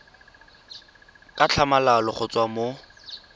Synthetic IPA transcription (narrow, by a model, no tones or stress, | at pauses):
kʼat͡ɬʰamalalɔχʊt͡swamo